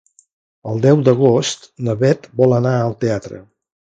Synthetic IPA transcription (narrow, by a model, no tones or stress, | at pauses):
əlˠd̪ɛwd̪əɣ̞ost̪nəβɛt̪bɔlˠənaəlˠt̪eat̪ɾə̰